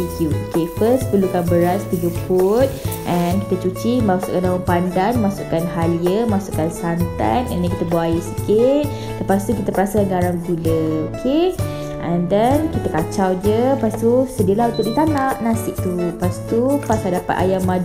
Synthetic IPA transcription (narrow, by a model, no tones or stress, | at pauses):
iɡuokefəspəlukanbəɾaspəlupʊt̪̚ʔɛnkit̪ət͡ʃut͡ʃimasṵʔkandawaŋpandanmasuʔkanɦaliəmasukansant̪a̰nɛ̰ndɛ̃nkit̪əbuajisəkɪt̪̚ | ləpast̪ukit̪əpəɾasəaɡaɾaŋɡuləokʰe | ʔɛndɛnkit̪əkat͡ʃawd͡ʒəpast̪usədiəlahunt̪ʊʔ̚dit̪anaʔnasɪʔ̚t̪upast̪upasaldapa̰t̪a̰jamãd͡ʒ